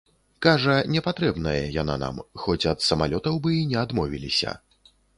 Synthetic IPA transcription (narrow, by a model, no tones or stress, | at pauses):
kaʐɐnʲɛpat̪ɾɛbn̪ɐjɛja̰na̰na̰mxɔt͡sʲɐt̪sɐmalʲɔt̪ɐwbɨinʲɛad̪mɔvʲḭlʲisʲɐ̰